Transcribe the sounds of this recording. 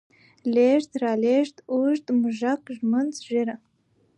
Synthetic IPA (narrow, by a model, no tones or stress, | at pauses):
leʒtʰʼraleʒtʼuʒtʼmɨʒakʼʒmɨnt͡sʰʼʒɪɾa